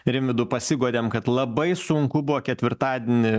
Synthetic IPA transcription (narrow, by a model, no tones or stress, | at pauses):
ɾʲɪmʲʋʲɪd̪ʊpɐsʲɪɡuɔd̪ʲeːmkɐt̪lˠɐbɐɪsʊŋkʊbʊʋoːkʲɛt̪ʲʋʲɪɾt̪ɑːd̪ʲiɛnʲɪ